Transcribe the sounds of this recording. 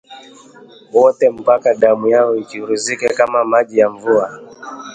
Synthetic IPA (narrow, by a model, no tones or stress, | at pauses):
wɔtɛm̩pakaɗamujaɔikiuɾuzikɛkamamaʄijaɱvua